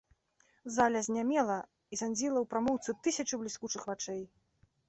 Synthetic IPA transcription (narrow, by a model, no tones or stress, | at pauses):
zalʲɐzʲnʲamʲɛlˠɐ | isanʲd͡zʲilˠɐwpɾamɔwt̪sɨt̪ɨsʲɐt͡ʂɨblʲiskut͡ʂɨxvat͡ʂɛj